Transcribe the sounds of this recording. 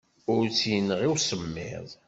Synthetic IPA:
ʊɾt͡sːjənəʁiwsəmːɪ̰ðˤ

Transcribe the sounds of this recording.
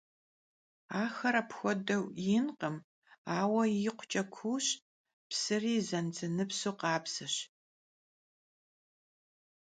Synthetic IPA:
aːxɐɾɐpxʷɔdɐwjɪnqəm | aːwɐjɪqʷʊt͡ʃʼɐkʷʰuːɕ | psɨriːzɐnt͡sɨnɨpsuːqɑːpsɨɕ

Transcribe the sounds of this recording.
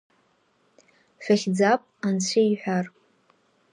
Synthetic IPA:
ʃʷᶣaχʲd͡zapʼant͡sʷʰejħʷᶣar

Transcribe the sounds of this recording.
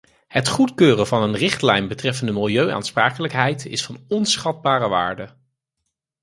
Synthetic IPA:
hətχutkøːrəvɑnənrɪχtlɛjnbətrɛfəndəmɪlˠjøɥʔa̰ːnspraːkələkɦɛjtɪ̰sfɑnɔnsχɑd̚baːrəʋa̰ːɹdə

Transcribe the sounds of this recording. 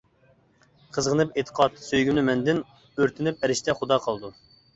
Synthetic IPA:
qʰəzʁənɨpet̪ʰə̥qʰɑt̪søjɡʲymnɪmɛnd̪ɪn | øɾt̪ʰɪnɪp̚ɛɾɪʃt̪ɛχʊd̪ɑqʰɑlˠɨd̪u

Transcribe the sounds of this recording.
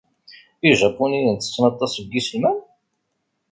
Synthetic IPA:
iʒæpːunijənt̪ːə̥t͡sːnɑt̪ˤːɑsəɡisəlmæn

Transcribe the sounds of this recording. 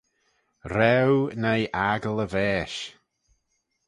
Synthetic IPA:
ɾɛwnajʔaɡələvɛːʃ

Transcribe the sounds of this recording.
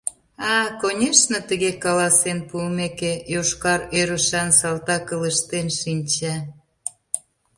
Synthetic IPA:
ɑkonʲeʃnə̆t̪əɣekɑlɑsenpuəmekejoʃkɑɾøɾəʃɑnsɑlt̪ɑkələʃt̪enʃinʲt͡ɕæ

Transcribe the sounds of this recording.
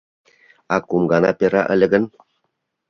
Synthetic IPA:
akumɡana̰peɾa̰ʔə̰lə̆ɡən

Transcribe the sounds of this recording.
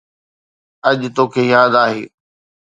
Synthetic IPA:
ɐʄt̪oːkʰeːjaːd̪aːɦḛː

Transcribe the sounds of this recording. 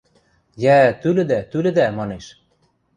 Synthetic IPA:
jæt̪ylɘ̆d̪æt̪ylɘ̆d̪æmɑneʃ

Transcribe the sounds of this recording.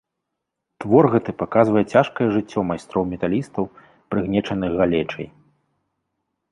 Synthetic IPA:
t̪vɔrɣɐt̪ɨpakazvɐjɛt͡sʲaʂkɐjɛʐɨt͡sʲːɔmajst̪ɾɔwmʲɛt̪alʲist̪ɐw | pɾɨɣnʲɛt͡ʂɐnɨɣɣalʲɛt͡ʂɐ̰j

